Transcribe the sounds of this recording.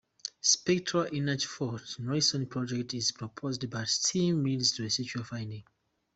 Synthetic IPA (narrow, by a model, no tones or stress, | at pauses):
spɛk̚tʰɹalʔinad͡ʒfɔtnɔɪsɔ̃npʰɹɔd͡ʒɛk̚tʰizpʰɹɔpʰozdbaɪstʰĩmːilstuesit͡ʃuəfãɪ̃ndĩŋ